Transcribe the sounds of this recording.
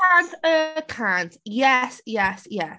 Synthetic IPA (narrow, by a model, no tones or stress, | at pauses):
antəkʰãntjɛsjɛsjɛs